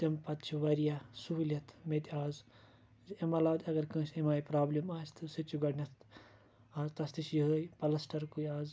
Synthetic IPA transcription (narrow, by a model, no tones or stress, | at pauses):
t̪ɐmpɐt̪t͡ʃʰuʋɐɾijasuɦulʲɐt̪ʰmet̪ʲiaːz | zemɐlaːwd̪ʲɐɡɐɾkɨ̃ːsemaːjpɾaːblemaːst̪ʰɨsɨt͡ʃʰuɡɐɽnʲɐt̪ | aːzt̪ɐst̪isjiɦəːjpɐlɐsʈɐɾkujaːz